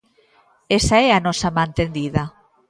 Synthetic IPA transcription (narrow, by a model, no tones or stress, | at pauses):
esaɛanɔsamãnt̪end̪iðɐ